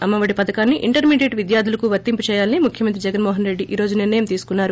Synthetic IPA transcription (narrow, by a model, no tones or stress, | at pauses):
ɐmːɐʋɐɽipɐd̪ɐkaːnːiʔiɳʈɐɾmiːɖeːʈʋid̪jaːɾd̪ʱulɐkuʋɐt̪ːimput͡ʃɛːjaːlɐnimukʰjɐmɐnt̪ɾid͡ʒɛɡɐnmoːɦɐnɾe̞ɖːiʔiːɾo̞ːd͡ʒuniɾnɐjɐmt̪iːsu̥kunːaːɾu